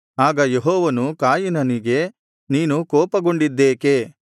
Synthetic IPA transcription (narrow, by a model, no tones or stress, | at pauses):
aːɡɐjeɦɔːʋɐnukaːjinɐniɡe̞ | niːnukɔːpɐɡo̞ɳɖid̪ːeːke